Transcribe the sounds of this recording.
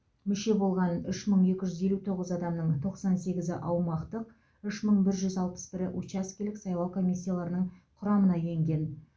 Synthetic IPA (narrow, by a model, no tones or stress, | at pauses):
mʏʃe̞bo̞lˠʁɑnʏʃməɴe̞kʲɪʒʏze̞lut̪ʰo̞ʁəzɑd̪ɑmnəɴt̪ʰo̞qsɑnse̞ɡʲɪzɪʔɑwmɑqt̪əq | ʏʃməɴbɪɾʒʏzɑlˠpə̥sbɪɾɪʔut͡ʃɑskʲelɪksɑjlˠɑwkʰo̞mʲisʲːijalˠɑɾənəɴqʰʊɾɑmənɑje̞ŋɡʲe̞n